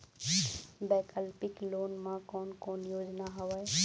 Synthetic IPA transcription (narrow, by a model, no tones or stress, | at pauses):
bɛːkəlpɪkloːnmãkɔːnkɔːnjoːd͡ʒnaɦəʋəj